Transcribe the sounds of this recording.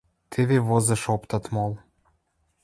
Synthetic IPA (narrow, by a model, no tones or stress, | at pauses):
t̪ʰeβeβozɤ̆ʃopt̪ɑt̪molˠ